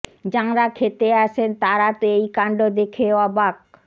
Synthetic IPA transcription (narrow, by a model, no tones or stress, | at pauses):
d͡ʑaŋɾakʰet̪eaʃʰent̪aɾat̪oejkaɳɖod̪ekʰeɔbak̚